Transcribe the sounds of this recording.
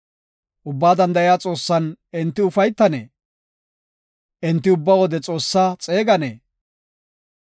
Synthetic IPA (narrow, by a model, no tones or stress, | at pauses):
ʔʊbːaːd̪ɐnd̪ɐɪjaːt͡sʼo̞ːsːɐnɪnt̪ːɪʊfɐjt̪ːɐnḛː | ʔɪnt̪ːɪʊbːawɔd̪ɛt͡sʼo̞ːsːat͡sʼe̞ːɡɐnḛː